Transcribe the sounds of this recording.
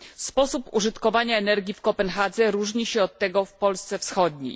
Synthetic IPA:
spɔsupuʐɘt̪kɔvaɲaɛnɛɾɡʲifkɔpɛnxad̪zɛɾuʐɲiɕɛɔt̪ːɛɡɔfpɔlst̪sɛfsxɔd̪ɲḛj

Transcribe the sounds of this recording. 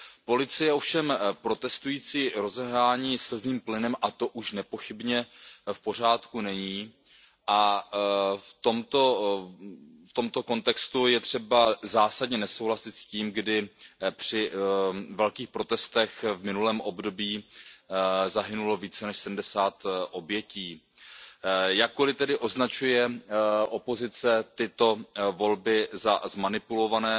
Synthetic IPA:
po̞lɪt͡sɪjɛo̞fʃɛmpɾo̞t̪ɛst̪ujiːt͡siːɾo̞zɛɦɾaːɲiːsɛzniːmplɪnɛmʔat̪o̞ʔuʃnɛpo̞xɪbɲɛfpo̞r̝aːt̪kunɛɲiː | ʔa | ft̪o̞mt̪o̞ | ft̪omt̪o̞ko̞nt̪ɛkst̪ujɛt̪r̝̥ɛbazaːsadɲɛnɛso̞wɦlasɪt̪sciːmɡdɪpr̝̥ɪ | vɛlkiːxpɾo̞t̪ɛst̪ɛxvmɪnulɛːmʔo̞bdo̞biː | zaɦɪnulo̞viːt͡sɛnɛʃsɛdm̩dɛsaːt̪ʔo̞bjɛciː | jakːolɪt̪ɛdɪʔo̞znat͡ʃujɛʔo̞po̞zɪt͡sɛt̪ɪt̪o̞vo̞lbɪzazmanɪpulo̞vanɛː

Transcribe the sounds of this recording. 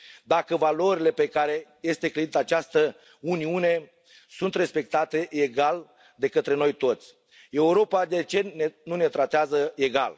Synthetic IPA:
d̪akəvalo̞ɾile̞pe̞kaɾe̞je̞st̪e̞kled̪it̪əat͡ʃast̪ə | uniune̞ | sunt̪ɾe̞spe̞k̚t̪at̪e̞ʔeɡal | d̪e̞kət̪ɾe̞no̞jt̪o̞t̪sʲ | e̞uɾo̞pad̪e̞t͡ʃe̞nenune̞t̪ɾat̪eazəe̞ɡa̰l

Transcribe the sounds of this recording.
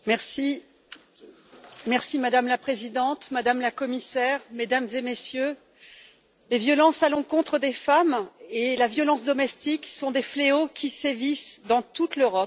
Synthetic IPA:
mɛʁsi | mɛʁsimad̪amlapχezid̪ɑ̃t̪mad̪amlakɔmisɛʁmed̪amzemesjø | levjɔlɑ̃salɔ̃kɔ̃t̪χəd̪efamelavjɔlɑ̃sd̪ɔmɛst̪iksɔ̃d̪efleokʲisevisd̪ɑ̃t̪ut̪løʁɔp

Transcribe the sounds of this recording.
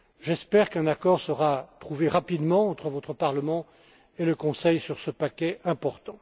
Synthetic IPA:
ʒɛspɛʁkɛ̃nakɔʁsəʁat̪χuveʁapid̪mɑ̃ːt̪χəvɔt̪χəpaʁləmɑ̃ | eləkɔ̃sɛjsyʁsəpakʲɛʔɛ̃pɔʁt̪ɑ̃

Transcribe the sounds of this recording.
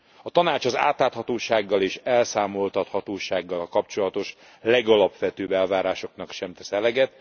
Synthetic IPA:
ɒt̪ɒnaːt͡ʃɒza̰ːt̪laːt̪hɒt̪oːʃaːɡːɒleːʃɛlsaːmo̞lt̪ɒt̪hɒt̪oːʃaːɡːɒlkɒpt͡ʃo̞lɒt̪o̞ʃ | lɛɡɒlɒpʋɛt̪øːbɛlvaːɾaːʃo̞kn̪ɒkʃɛmt̪ɛsɛlɛɡɛt̪

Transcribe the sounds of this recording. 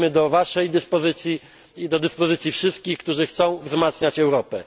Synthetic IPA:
mɘd̪ɔvaʂɛjd̪ɘspɔzɘt̪sʲji | d̪ɔd̪ɘspɔzɘt̪sʲjifʂɘst̪̚kʲixkt̪uʐɘxt̪sɔ̃w̃vzmat̪sɲat͡ɕɛwɾɔpɛ

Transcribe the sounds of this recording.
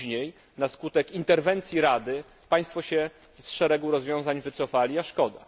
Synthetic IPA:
ɲej | naskut̪ɛkint̪ɛɾvɛnt̪sʲjiɾad̪ɘ | paj̃st̪fɔɕɛ | sʂɛɾɛɡuɾɔzvʲjɔ̃w̃zaɲvɘt̪sɔfalʲiaʂkɔd̪a̰

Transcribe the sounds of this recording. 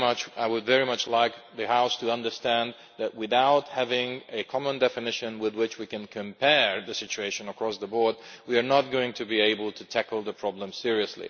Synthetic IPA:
mʌt͡ʃaɪwɨdvɛɹimʌt͡ʃlaɪk̚ðɨhaʊstʰɨʌ̃ndə˞stæ̃n | ðɨt̚wɪðaʊt̚hævɪ̃ŋɨkʰɑmə̃ndɛfɨnɪʃɨ̃nwɪðwɪt͡ʃwikɨ̃nkʰɨ̃mpʰɛɹðɨsɪt͡ʃʉeɪʃɨ̃nəkʰɹ̥ɔsðəbɔɹd̚wiə˞nət̚ɡ̥oʊɪ̃ŋtʰɨbieɪbəl̩ˠtʰɨtʰækl̩ˠðəpʰɹ̥ɑblə̃msɪɹiɨslḭ

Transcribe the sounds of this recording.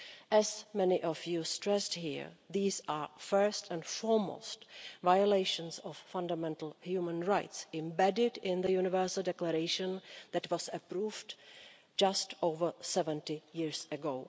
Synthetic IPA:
ʔɛzmɛniʔɔfjustɹɛsthḭɹðiːsaːfɜ˞stɛ̃ndfɔɹmo̰stvajoleɪʃə̃nsɔffʌ̃ndamɛ̃ntl̩ˠhjuːmə̃nɹaɪtsɪ̃mbɛdɪdɪ̃nðəjunɪvɜ˞səl̩ˠdɛkləɾeɪʃə̃nðɛtwɔzəpɾuːvd | d͡ʒastoʊvə˞sɛvə̃ntɪjɪɹsəɡoʊ

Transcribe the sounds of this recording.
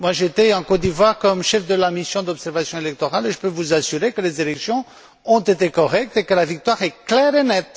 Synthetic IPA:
mwaʒet̪ɛɑ̃kɔt̪̚d̪ivwaʁkɔmʃɛfd̪əlamisjɔ̃d̪ɔbsɛʁvasjɔ̃elɛk̚t̪ɔʁaleʒəpøvuzasyʁekəlezelɛksjɔ̃ | ɔ̃t̪et̪ekɔʁɛk̚t̪ekəlavik̚t̪waʁɛklɛʁenɛt̪

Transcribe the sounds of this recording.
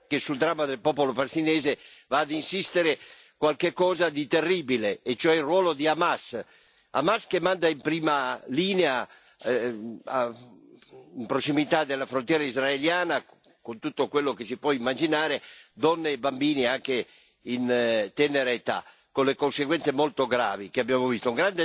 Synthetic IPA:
kesuld̪ɾamːad̪elpɔːpolopalest̪inɛːzevaːd̪insist̪eɾe | kwalkekːɔːzad̪it̪erːiːbileːt͡ʃːoɛrwɔːlod̪iamas | a̰maskemːand̪aimpɾiːmaliːnea | a | impɾosimit̪ad̪elːafɾõnt̪jɛːɾaizɾaeljaːna | kont̪ut̪ːokwelːokesipwɔimːad͡ʒinaːɾed̪ɔnːeːbambiːniaŋke | int̪ɛneɾeet̪a̰ | konlekonseɡwɛnt̪semolt̪oɡɾa̰ːvikeabjaːmovist̪ouŋɡɾand̪e

